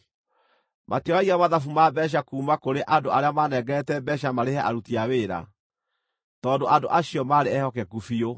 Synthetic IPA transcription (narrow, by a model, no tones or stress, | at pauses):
mʔatiɔwaiɣamaðafumabɛɕ̬akuːmakoɾeʔadoaɾeamanɛɡɛtɛbɛɕamaɾehɛʔa̰ɾutiaweːɾa̰ | tɔːndoʔandoʔaɕiɔmaɾeɛhɔkɛkufio